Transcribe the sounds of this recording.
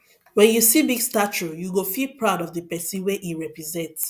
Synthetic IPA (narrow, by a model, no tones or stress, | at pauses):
wɛ̃njusibiɡstat͡ʃujuɡofilpɹaʊdɔvðəpɛsĩnweʔiɹɛpɹizɛ̃nts